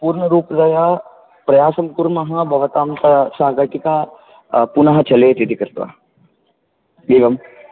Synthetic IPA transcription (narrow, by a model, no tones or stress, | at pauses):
puːɾɳəɾuːpd̪ɐja | pɾɐjaːsɐmkuɾmɐɦɐ̃bʱɐʋɐt̪aːmt̪ɐsaːɦɡɐʈ̪ika | punaɦɐt͡ʃɐlet̪it̪ikɐɾt̪ʋa̰ | beːɡɐm